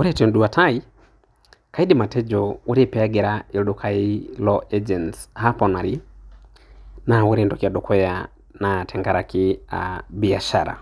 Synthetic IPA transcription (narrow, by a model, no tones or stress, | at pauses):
woɾɛtɔnduatai | kaidimatɛd͡ʒɔwoɾepɛaɡɛɾaeldokʰailɔʔɛd͡ʒɛntshapɔnaɾi | nawoɾendɔkiadokɔja | natʰɛŋɡaɾakiabiaʃa̰ɾa̰